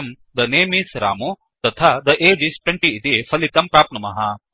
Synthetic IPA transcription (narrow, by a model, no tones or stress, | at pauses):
ɐm | d̪ɐneːmisɾa̰ːmu | t̪ɐt̪ʰad̪ɐʔeːd͡ʒisʈweɳʈiːt̪ifʰɐlit̪ɐmpɾaːp̪̚nɐmɐɦɐ